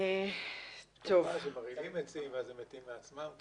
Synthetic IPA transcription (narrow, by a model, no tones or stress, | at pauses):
e | t̪ʰovazemaʁilimet͡simveazemet̪imːeat͡smam